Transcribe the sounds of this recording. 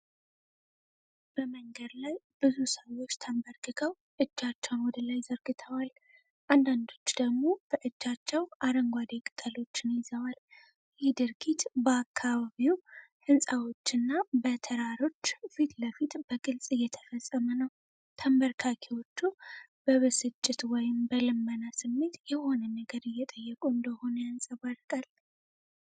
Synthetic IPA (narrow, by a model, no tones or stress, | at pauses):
b̥əməŋɡəd̪lajb̥ɨzusəwːo̞t͡ʃːt̪ʰəmbəɾɡɨɡʰəw | ʔɨd͡ʒːat͡ʃːɛwnwɔd̪əlajzəɾɡɨt̪ʰəwal | ʔand̪and̪o̞t͡ʃːd̪̥əɡmo̞b̥əʔɨd͡ʒːat͡ʃːɛwʔaɾəŋɡʷad̪ekʼɨt̪ʼəlo̞t͡ʃːɪnjɪzəwal | jɛhd̪ɨɾɡit̪bəakʰːaβaβiwhɨnsʼawo̞t͡ʃːɨnːabət̪ʰəɾaɾo̞t͡ʃːfit̪ləfit̪b̥əɡɨlsʼɨjːɛt̪ʰə̥fəsʼːəmənəw | t̪ʰəmbəɾkʰakʰewo̞t͡ʃːub̥əβɨsɨt͡ʃʼːɪt̪wɔjɪmbəlɨmːənasɨmːe̞t̪jɛho̞nənəɡəɾɨjːɛt̪ʼəjːɛkʼuɨnd̪əho̞nəjansʼəβaɾkʼal